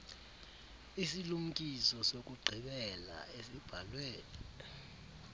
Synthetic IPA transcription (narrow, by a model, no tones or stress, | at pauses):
isilum̩kʼisɔsok̬ʼuɡ͡ǀʱiɓɛla̰esib̥ʱalweːli